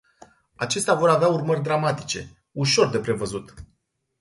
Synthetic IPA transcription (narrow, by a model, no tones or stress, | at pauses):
at͡ʃe̞st̪eavo̞ɾaveaurmərʲd̪ɾamat̪i̥t͡ʃe̞ | uʃo̞rd̪e̞pɾe̞vəzut̪